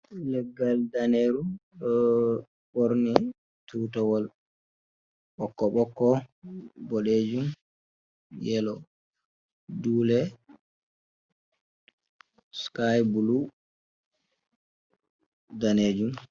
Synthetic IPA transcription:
lɛɡːaldaneɾuɗɔ | ɓoɾni | tutɔwɔl | ɓɔkːɔɓɔkːɔ | bɔɗed͡ʒum | jɛlɔ | duːlɛ | skajbulu | daned͡ʒum

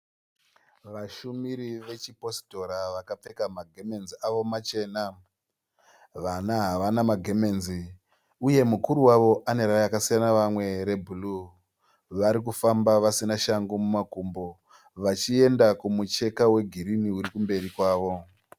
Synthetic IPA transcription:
ʋaʃumiɾiʋe̞t͡ʃipo̞sto̞ɾaʋakap͡fe̞kamaɡʱe̞me̞nziaʋo̞mat͡ʃe̞ːna | ʋanaɦaʋanamaɡʱe̞me̞ːnzi | uje̞mukuɾuwaʋo̞ʔane̞ɾajakasijanaʋamwe̞ɾe̞bʱulu | ʋaɾikufambaʋasinaʃaŋɡomumakumbo̞ | ʋat͡ʃie̞ndakumut͡ʃe̞kawe̞ɡʱiɾiniuɾikumbe̞ɾikwaːʋo̞

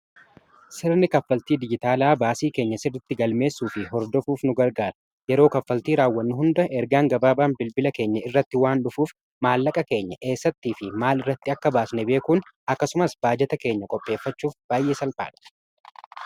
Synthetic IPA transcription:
sɪɾnɪkɐfːɐlt̪iːd̪ɪd͡ʒɪt̪aːlaːbaːsiːke̞ːɲːɐsɪrɪt̪ːɪɡɐlme̞ːsːuːfɪɦɔɾd̪ɔfuːfnʊɡɐɾɡaːɾɐ | jɛɾo̞ːkɐfːɐlt̪iːɾaːwːɐnːʊɦʊnd̪ɐʔɛɾɡaːŋɡɐbaːbaːnbɪlbɪlɐke̞ːɲːɐɪrːɐt̪ːɪwaːnᶑʊfuːf | maːlːɐkʼɐke̞ːɲːɐʔe̞ːsːɐt̪ːiːfɪmaːlɪrːɐt̪ːɪɐkːɐbaːsnɛbe̞ːkʊn | ɐkːɐsʊmɐsbaːd͡ʒɛt̪ɐke̞ːɲːɐkʼɔpʼːe̞ːfːɐt͡ʃːuːfb̥aːjʔe̞ːsɐlpʼa̰ːᶑɐ̥

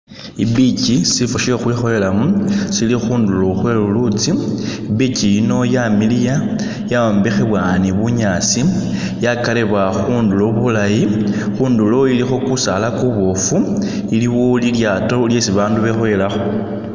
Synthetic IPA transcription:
ibicisifuʃixwiːxoelamusilixuːnduloxwe̞lulut͡siibicijino̞jamilija | jaoːmbixeβwaniβuɲat͡si | jakale̞βwaxuːnduloβulajixuːndulo̞ilixo̞kusalakuβo̞fu | iliwoliljaːto̞lje̞siβaːnduβe̞xole̞laxo

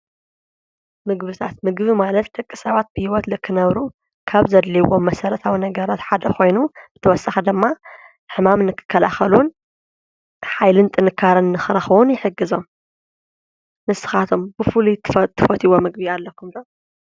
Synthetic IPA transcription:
mɨɡbɨt̪ʰat̪mɨɡβimalɐt̪d̪ɨkʼːɨsaβat̪̚b̥ɨhiwɔt̪lɨkʰːɨnɐβɾu | kʰaβzɐd̪liwomːɐsɐɾɐt̪ʰawinɐɡɐɾat̪ħad̪ɐkʰo̞jnuzɨt̪ʰɐwɔsʼaxɐd̪ɨmːa | ħɨmamnɨkʰɨ̥kʰːɐla̰xɐlun | ħajlɨnt̪ʼɨnɨkʰːaɾɨnːɨxɨɾɐxɨwʊnjɪħɨɡːɨzo̞m | mɨsɨ̥xat̪ʰo̞mbɨfɨlut̪ʰt̪ʰːɨfɐt̪ʰiwomɨɡ̚bialːɐkʰːumd̪o

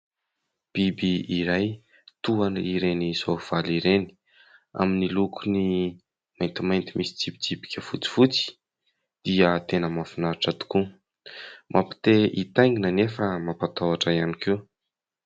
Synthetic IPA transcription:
b̥ibiiɾaj | t̪uaniɾenizov̥aliɾeni̥ | a̰minilukʰuni | majnt̪imajnt̪imisi̥t͡sipi̥t͡sipi̥kʲəfut͡si̥fut͡si̥ | d̪̥iət̪enəmafinaɾaʈ͡ʂat̪u̥ku | mʔapi̥t̪eit̪ajŋinanefəmapat̪awaʈ͡ʂaianikew

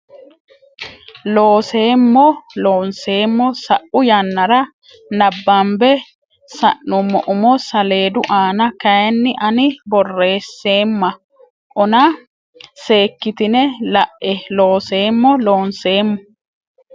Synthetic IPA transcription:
loːse̞ːmːɔlo̞ːnseːmːɔsɐʔʊjɐnːɐɾɐ | nɐbːɐmbɛ | sɐ̰ʔːʊmːɔʔʊmɔsɐle̞ːd̪ʊʔaːnɐkɐjnːɪʔɐnɪbɔrːe̞ːsːeːmːɐ | ʔɔnɐ | se̞ːkːɪt̪ɪnɛlɐʔːɛlo̞ːseːmːɔlo̞ːnse̞ːmːɔ

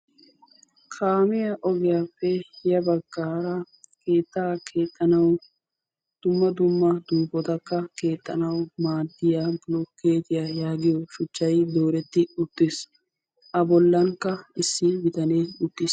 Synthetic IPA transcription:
kʰaːmɪjɐʔɔɡɛjaːpːɛjɐbɐɡːaːɾɐ | keːt̪ːaːkʰeːt̪ʼːɐnɐw | d̪̥ʊmːɐd̪ʊmːɐd̪uːfɔt̪ɐkːɐkeːt̪ʼːɐnɐwmaːd̪ːɪjaːblɔkːeːt̪ɪjajaːɡɪjɔʃʊt͡ʃːɐjd̪o̞ːɾɛt̪ːɪʊt̪ːes | ʔɐbɔlːɐŋkːɐɪsːɪbɪt̪ɐneːʊt̪ːɪs

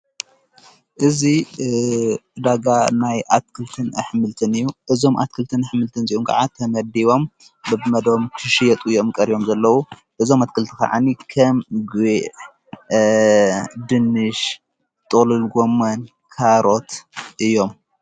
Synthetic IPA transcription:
ʔɨzi | d̪aɡanajʔat̪̚kʰɨlt̪ʰɨnɐħmɨlt̪ʰɨnɨjːuʔɨzo̞mʔa̰t̪̚kʰɨlt̪ʰɨnɨħmɨlt̪ʰɨnziʔomkʰa̰ʕat̪ʰɐmɐd̪iβo̞m | bɨbmɐd̪omkʰɨʃijɛt̪ʼɨjo̞mkʼɐɾibo̞mzɐlːɐwu | ʔɨzo̞mat̪̚kʰɨlt̪ʰika̰ʕa̰nikʰɐmɡeʔ | d̪ɨnːɨʃ | t̪ʼɨlɨlɡo̞mːɐn | kʰaɾo̞t̪ʔɨjːo̞m

